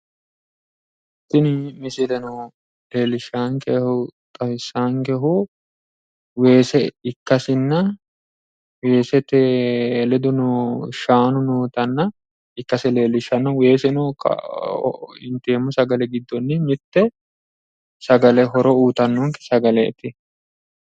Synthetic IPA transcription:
t̪ːɪnɪmɪsɪlɛnɔ | le̞ːlɪʃːaːŋkɛhʊt̪ʼɐfɪsːaːŋkɛɦʊ | we̞ːsɛɪkːɐsɪnːɐ | weːsɛt̪elɛd̪ʊnɔʃaːnʊnuːt̪ɐnːɐ | ɪkːɐsɛleːlɪʃɐnːɐweːsɛnɔkɐ̰ | ɪnt̪eːmːʊsɐɡɐlɛɡɪd̪ːɔnːɪmɪt̪ːɛ | sɐɡɐlɛɦɔɾɔuːt̪ɐnːɔŋkɛ̥sɐɡɐlɛɛ̰t̪ɪ

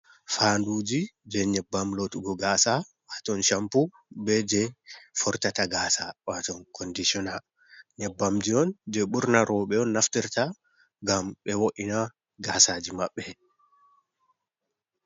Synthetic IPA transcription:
fandud͡ʒid͡ʒɛɲɛbːamlotuɡɔɡaːsa | watɔnʃampu | bɛd͡ʒɛfɔɾtataɡaːsawatɔnkʰɔndisiɔnal | ɲɛbːamd͡ʒiɔnd͡ʒɛɓuɾnaɾɔɓɛɔnːaftiɾta | ɡamɓɛwoʔina | ɡaːsad͡ʒimaɓːɛ

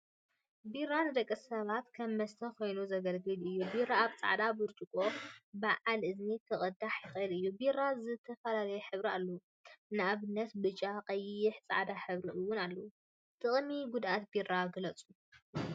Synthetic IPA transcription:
birːanɨd̪ɐkʼːɐsɐβat̪kʰɐmːɐst̪ʰɐkʰo̞jnuzɐɡɐlɡɨlɨjːubiraːβt͡sʼa̰ʕd̪abɨɾt͡ʃʼɨkʼo̞baʕalʔɨznik̪ʰɨχʼɨd̪aħjɪxʼɐlɨjːubirːazɨt̪ʰɐfɐlalɐjɛħɨβɾialːɐwu | nɨʔaβɨnːɐt̪bɨt͡ʃʼaqʼɐjɪħt͡sʼa̰ʕd̪aħɨβɾiʔɨwːʊnalːɐwu | t̪ʰʼɨχʼmiɡud̪ʔat̪birːaɡɨlɐt͡sʼu

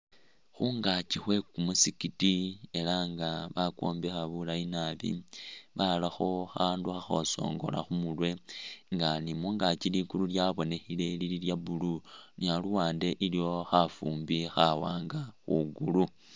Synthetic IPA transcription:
xuŋɡat͡ʃixwe̞kumusikitie̞laŋɡaβakwo̰ːmbexaβulainaβḭβalaxo̞xaːnduxaxo̞so̞̰ːŋɡo̞̰la̰xumulwe̞ŋɡanimuːŋɡat͡ʃiliɡululjaβo̞ne̞xile̞lililjabulunialuwaːnde̞ʔilijo̞xafuːmbixawaːŋɡaxuɡulu

